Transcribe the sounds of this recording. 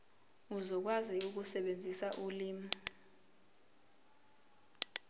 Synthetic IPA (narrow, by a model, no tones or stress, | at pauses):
uzɔk̬waziuk̬usɛɓend͡zʱisaʔuliːmɔ